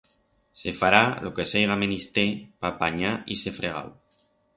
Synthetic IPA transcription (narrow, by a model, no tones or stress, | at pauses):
sefaɾalʔokesejɣamenist̪epapaɲaisefɾeɣa̰w